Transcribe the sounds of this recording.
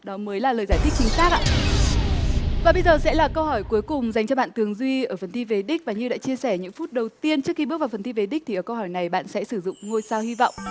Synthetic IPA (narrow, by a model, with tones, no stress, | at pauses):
ɗɔ˨˦məː˨˦jlaː˨˩ləː˨˩jzaː˧˩jt̪ʰi˦˥k̚t͡ɕï˨˦ŋ̟saː˦˥k̚ʔa̰ː˧˥ | vaː˨˩ɓə˧jzəː˨˩sɛ̰˧˥laː˨˩kə˧whɔ˧˩jku˨˦jkʊ˨˩ŋ͡mza˨˩jŋ̟t͡ɕɔ˧ɓa̰ː˧˨nt̪ɨ˨˩əŋzwi˧ʔəː˧˩fə˨˩nt̪ʰi˧ve˨˦ɗi˦˥k̚vaː˨˩ɲɨ˧ɗa̰ː˧˥t͡ɕi˧əsɛ˧˩ɲɨ̰˧˥ŋfu˦˥t̚ɗə˨˩wt̪i˧ənt͡ɕɨ˦˥ək̚xi˧ɓ̚vːfə˨˩nt̪i˧ve˨˦ɗi˦˥t̪i˨ʔəː˧˩kə˧whɔ˧˩jna˨˩jɓa̰ː˧˨nsɛ̰˧˥sɨ˧˩zʊ̰˧˨ŋ͡mŋo˧jsaː˧whi˧va̰˧˨wŋ͡m